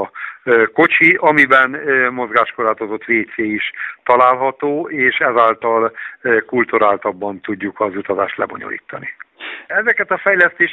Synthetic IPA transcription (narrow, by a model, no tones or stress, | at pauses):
ko̞t͡ʃiʔɒmibɛnmo̞zɡaːʃkoraːt̪o̞zo̞t̪ʋeːt̪seːiʃt̪ɒlaːlɦɒt̪oːeːʃɛzaːlt̪ɒlkult̪uɾaːlt̪ɒbːɒnt̪uɟːukɒzut̪ɒzaːʃt̪lɛ̰bo̞̰ɲo̰lḭːt̪ːɒniɛzɛkɛt̪ɒfɛjlɛst̪eːʃ